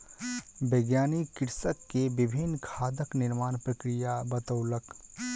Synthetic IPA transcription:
beːɡjaːnikɪɾsəkːebɪbʱɪnːkʰaːd̪əknɪɾmaːnpɾəkɾijabət̪əʊlək

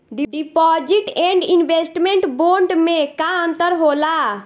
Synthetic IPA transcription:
ɖiɖipɔd͡ʒiʈɛ̃ɳɖinbesʈmeɳʈboɾɖmekaənt̪əɾɦola

